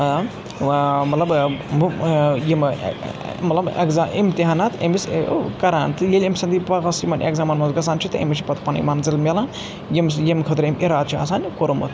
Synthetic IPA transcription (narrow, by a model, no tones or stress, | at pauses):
mɐt̪lɐb | jim̰ | mɐt̪lɐbɐ̰kzaimt̪iɦaːnat̪ɐ̰miskɐɾaːnt̪ɨjelʲemsɐnd̪ipɐɣɐsimɐnḛkzaːmɐnmɐnzɡɐsaːnt͡ʃʰit̪ɨɐ̰mit͡ʃʰipɐt̪ʰpɐnɐ̰ḭmɐnzilmʲelaːn | jimsjemkʰɐt̪ɾemiɾaːd̪̚t͡ʃʰiɐ̰s̬aːnʲkoɾumɐ̰t̪